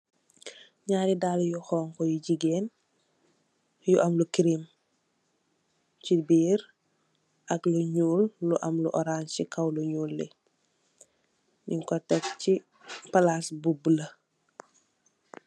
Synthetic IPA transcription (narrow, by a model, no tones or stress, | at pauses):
ɲaːɾidaːljuxɔːŋkɔjuɟiɡeːn | juʔɐmlukiɾim | cibiːɾ | ʔɐkluɲuːlːuʔɐmlṵʔɔɾaːnsikɐwluɲuːlːɛ̰ | niŋkɔtɛkci | pɐlasbublɐ